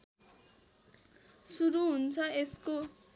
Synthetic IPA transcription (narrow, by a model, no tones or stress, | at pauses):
suɾuɦunt͡sʰʌesko